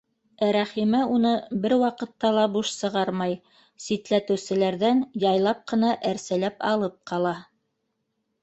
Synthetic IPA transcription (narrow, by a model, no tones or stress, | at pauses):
æɾæχimæunɤbɘɾwɑqɤ̆t̪ːɑlˠɑbuʃsɤ̆ʁɑɾmɑj | sit̪læt̪ɘ̆wsɘ̆læɾðænjɑjlˠɑp̚qɤ̆nɑʔæɾsælæpɑlˠɤp̚qʰɑlˠɑ